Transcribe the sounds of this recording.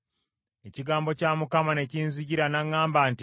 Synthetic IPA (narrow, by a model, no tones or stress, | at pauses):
e̞ciɡaːmbocaːmukamane̞ciːnziɟiɾanaŋːaːmbanti